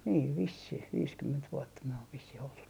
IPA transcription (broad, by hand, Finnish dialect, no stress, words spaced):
niːʋ ʋisːih ʋiːskymːent ʋuotːɑ myø oʋ ʋisːih oltut